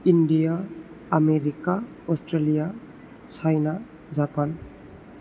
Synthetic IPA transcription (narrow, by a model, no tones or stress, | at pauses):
indijaː | meɾika | ɔsʈɾelija | sajna | zapan